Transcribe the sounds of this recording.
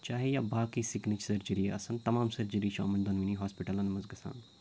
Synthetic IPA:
t͡ʃaːɦejaːbaːkisɪknit͡ʃsɐɾd͡ʒiɾieɐsɐnt̪ɐmãːmsɐɾd͡ʒiɾiːʃʰo̰ːmɐnd̪ɐnʋiniːɦaːspiʈəlɐ̃nmɐzɡɐsa̰ːn

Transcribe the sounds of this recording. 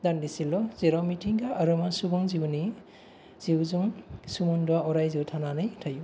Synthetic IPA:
dandisilɔzeɾamitʰiŋɡaʔːɾɔmasubɔŋziwni | z̥iwzuŋsumundɔwaɔɾajziwtʰananɯjtʰaju

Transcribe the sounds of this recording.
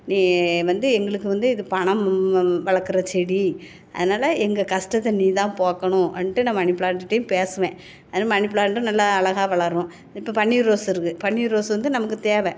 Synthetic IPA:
niːʋɐnd̪ɯɛŋɡɐɭɯkːɯʋɐnd̪ɯɪðɯpɐɳɐmʋɐɭɐkːɯɾɐt͡ʃɛɽi | ʔɐ̰ðɯnaːlɐɛŋɡɐkɐsʈɐt̪ːɐniːt̪ãːpoːkɐɳʊ̃ʔɐnʈːɯnãːmɐɳɪpːɯɭaːɳʈɯʈːɐjʊ̃peːsɯʋẽː | ɐðɐnaːmɐnɪpːɭaːɳʈːɯ̃nɐlːaːɭɐɣaːʋɐɭɐɾʊ̃ | ɪpːoːpɐɳːiɾoːsɪɾɯkːɯpɐɳːiɾoːsʋɐnd̪ɯnɐmɐkːɯt̪eːʋɛ̃

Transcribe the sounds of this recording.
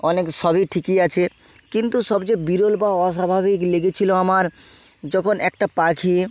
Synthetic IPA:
ɔnekʃɔbiʈʰikiat͡ɕʰe | kint̪uʃɔbd͡ʑebiɾolbaɔʃabʱabikleɡet͡ɕʰiloamaɾ | d͡ʑɔkʰonɛk̚ʈapakʰi

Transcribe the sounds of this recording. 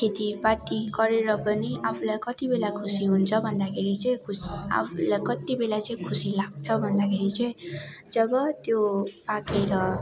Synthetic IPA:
kʰet̪ipat̪iɡʌɾeɾʌpʌniʔapʰulajkʌt̪ibelakʰusiɦunt͡sʰʌbʱʌnd̪akʰeɾit͡sʌ̃j̃kʰusa̰pʰulajkʌt̪ibelat͡sʌĩkʰusilaɡ̚t͡sʰʌbʱʌnd̪akʰeɾit͡sʌj̃d͡zʌbʌt̪jopakeɾʌ

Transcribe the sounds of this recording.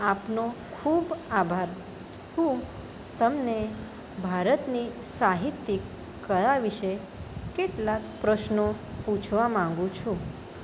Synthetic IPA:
apnokʰubabʱaɾ | hũ | t̪əmne | bʱaɾət̪ni | saɦit̪ːikː | əɭaʋiʃe | keʈlakpɾəʃnoput͡ʃʰʋamãŋ̆ɡũt͡ʃʰũ

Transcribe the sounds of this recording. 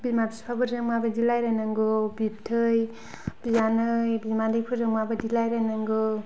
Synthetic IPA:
bizmabispʰabɯɾzɯŋmabadilajɾanaŋɡɯbip̚tʰɯj | b̥izanɯjbizmandɯjpʰɯɾzɯŋmabɯdilajɾanaŋɡɯ

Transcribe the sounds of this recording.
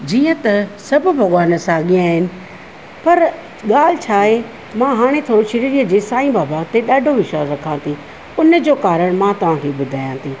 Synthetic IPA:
d͡ʑiːə̃t̪ɐsɐbʱbʱɐɠwaːnəsaːɠijãːɦɪnɪ̆ | pɐɾ | ɠaːl̤ɪt͡ɕʰaːɦe | mãːɦaːɽ̃et̪ʰoːɾoʃɐɾiɾiːəd͡ʑeːsaːĩbaːbaːɡt̪eɗaːɖʱoʋɪʃwaːzɾɐkʰãːt̪ʰi | ʊnd͡ʑoːkaːɾəɽ̃mãːt̪ɐʋ̤ãːkʰeːɓʊd̪ʱaːjãːt̪ʰiː

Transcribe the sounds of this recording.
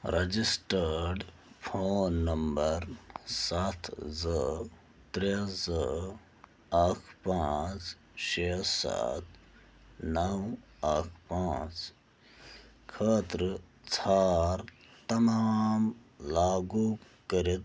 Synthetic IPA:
ɾɐd͡zisʈəɾɖ | pʰoːnːɐmbəɾsat̪ʰzə | t̪ɾezə | ɐkʰpãːt͡s | ʃesa̰t̪ʰ | nɐw | ɐkʰpaːt͡s | kʰəːt̪ɾət͡sʰaːɾt̪ɐmaːm | laːɡukəɾit̪

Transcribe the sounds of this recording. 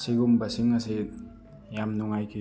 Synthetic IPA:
siɡumbasiŋase | jamnuŋajkʰi

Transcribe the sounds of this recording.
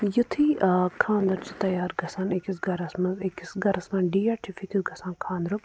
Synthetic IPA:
jut̪ʰikʰãːnd̪ɐɾt͡ʃi̥t̪ɐjaːɾɡɐsaːnekisɡɐɾɐsmɐzekisɡɐɾɐsmɐːnɖiːaːɾʈʰifʰit̪ʰiɡɐsãːnkʰãːnd̪ɾu

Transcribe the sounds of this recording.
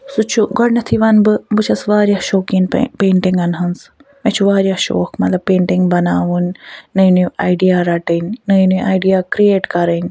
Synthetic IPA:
sut͡ʃʰuɡɔɽnɐt̪ʰiʋɐnbɨbɨt͡ʃʰɐsʋaːɾʲjahʃoːkinpeːɳʈiŋɡɐnɦɐnsmɛt͡ʃʰuʋaːɾjaːʃo̰ːkmɐt̪lɐb̚pːeːɳʈiŋɡbɐnaːʋunnɐjnuaːjɖijaːɾaʈɐnnɐjnuʔaːjɖijaːkɾieːʈkɐɾənʲ

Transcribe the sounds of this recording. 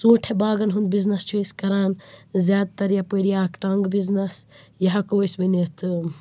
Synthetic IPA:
sũːʈʰebaːɡɐnɦund̪̚biznɐst͡ʃʰuiskɐɾaːnzʲaːd̪̚t̪ɐɾjɐpəɾjaːkʈɐŋɡbiznɐs | jɐɦɐkosbɐnet̪ʰ

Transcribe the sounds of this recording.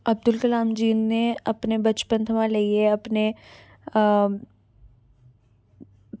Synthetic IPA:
ɐb̚d̪ʊlkɐlaːmd͡ʒiːnːeɐpnebɐt͡ʃpənt̪ʰɐmãleieɐpne

